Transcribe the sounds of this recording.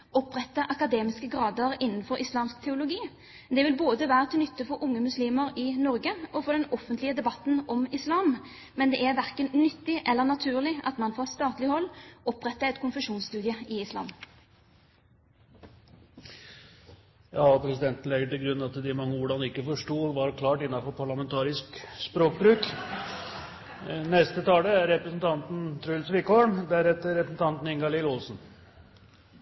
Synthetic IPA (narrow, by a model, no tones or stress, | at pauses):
ɔpʁɛt̪ːəʔɑkɑd̪eːmɪskəɡʁɑːd̪əʁɪnːnfɔɾʔɪslɑːmsk̚t̪ʰɛʊlʊɡiː | d̪ɛʋɪlboːd̪əʋæːʁət̪ʰɪlnʏt̪ːəfɔɾʊŋːəmʉsliːməɾɪnɔɾɡəɔfɔʁd̪ɛnɔfːənt̪lɪəd̪ɛbɑt̪n̩ɔmɪslɑːm | mɛnd̪ɛːʔæʁʋæʁkənnʏt̪ːɪʔɛlːənɑt̪ʰʉːʁlɪʔɑ̰t̪mɑnfɔst̪ɑːt̪lɪhɔlːɔpʁɛt̪ːəɛɪt̪kʰʊnfəʂuːnst̪ʉːd̪ɪəɪɪslɑ̰ːm | jɑːɔpʰɾɛsɪd̪ɛnt̪n̩lɛɡəʈ̪ɪlɡɾʉnːɑt̪d̪ɪmɑŋːəʋʊɖɑnɪkːəfɔʂʈuːʋɑɾkʰlɑːʈɪnːɑfɔɾpʰɑɭɑmɛnt̪ʰɑːɾɪskspɾoːkbɾʉːk | nɛst̪ət̪ʰɑːləæɾːɛpɾəsn̩t̪ʰɑnt̪n̩t̪ʰɾʉlsʋɪlkɔːɳd̪æɾɛt̪ːəɾɛpəsn̩t̪ʰɑnt̪n̩ɪŋɡɑlɪlɔlsn̩